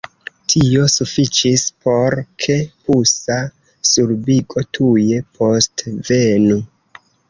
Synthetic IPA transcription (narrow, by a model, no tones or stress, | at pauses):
tʰio̞sufit͡ʃispʰo̞ɾkʰe̞pusa | suɾbiɡo̞tʰuje̞pʰo̞stve̞nu